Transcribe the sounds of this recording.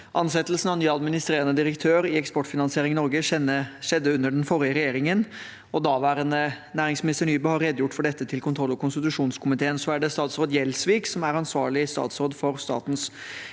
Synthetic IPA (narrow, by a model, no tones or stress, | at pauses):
ʔɑnsɛt̪ːlsn̩ɑnyːɑd̪mɪnɪst̪ɾeːɾənəd̪ɪɾəkt̪ʰøːɾɪɛkspɔʈːfɪnɑnsɪeːɾɪŋnɔɾɡəɛəʂɛd̪ːəʉnːəɖɛnfɔɾɪəɾɛjeːɾɪŋən | ɔd̪ɑːʋæːɾənənæːɾɪŋsmɪnɪst̪əɳyːbəhɑɾːɛd̪jʊʈːfɔɖɛt̪ːət̪ʰɪlkʰʊnt̪ʰɾɔlːɔkʰʊnst̪ɪt̪ʉʂuːnskʰʊmɪt̪ʰeːənsɔæɖɛst̪ɑːt̪sɾoːd̪jɛlsʋiːksɔmæɾɑnsʋɑːɭɪst̪ɑ̰ːt̪sɾoːd̪fɔɾst̪ɑ̰ːt̪n̩s